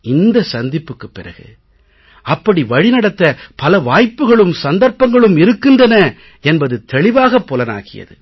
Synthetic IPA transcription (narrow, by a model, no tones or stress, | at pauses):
ɪnd̪ɐsɐnd̪ɪpːɯkːɯpːɪrɐ̰ɣɯ̰ | ɐpːɐɽiʋɐɻɪnɐɽɐt̪ːɐpɐlɐʋaːjpːɯɣɐɭɯmsɐnd̪ɐɾpːɐŋɡɐɭɯmɪɾɯkːɯndrɐnɐ | ɛnbɐðɯt̪ʰɛɭɪʋaːɣɐpːɔlɐna̰ːɣɪjɐ̰ðɯ̰